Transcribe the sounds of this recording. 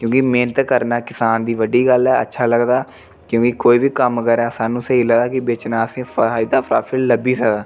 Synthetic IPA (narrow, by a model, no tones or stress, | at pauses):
kjõːkɪmeːnət̪kəɾnaːkɪsaːnd̪iːʋəɖiːɡəlɛːə̰tːʃʰaːləɡd̪aː | kjõːkikoːiːbiːkəmkəɾɛːsaːnũːsəɦiːləɡd̪aːkɪbeːt͡ʃnaːsẽːpaːid̪aːpʰɾaːpʰɪlləbiːsəkd̪aː